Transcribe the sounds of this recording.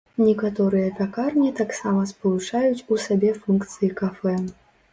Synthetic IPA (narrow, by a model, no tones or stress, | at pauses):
nʲɛkat̪ɔɾɨjɐpʲakarnʲit̪aksamɐspɐlˠut͡ʂajut͡sʲusabʲɛfunkt̪sɨjikafɛ